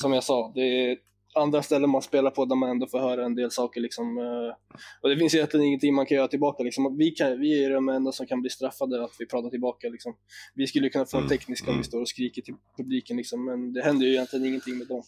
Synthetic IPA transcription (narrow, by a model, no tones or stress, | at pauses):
sɔmjaɡsɑːd̪ɛ | and̪ɾast̪ɛlːənmanspeːlaɾpʰɔnæɾmanɛnd̪oːfoːɾɦœːɾaɛnd̪eːlsɑːkəɭɪksɔm | ɔd̪ɛfɪnsjʏjɛnt̪lɪɡənɪŋːənt̪ʰɪŋːmankʰanjœːɾat̪ʰɪlbɑːkalɪksɔmɔvɪkʰavɪæɖɛmɛnd̪asɔmkʰanbliːst̪ɾafːad̪əat̪vɪpʰɾɑːt̪aʈɪlbɑːkalɪksɔmvɪskɵlːəjɵkʰɵnːafoːnt̪ʰɛknɪskaɔmvɪst̪oːɾɔskɾiːkəʈʰɪlpʰɵbliːkənlɪksɔmːɛnd̪ɛɦɛnd̪əjʏɪjɛnt̪lɪɡənɪŋːənt̪ʰɪŋːmeːd̪ɔm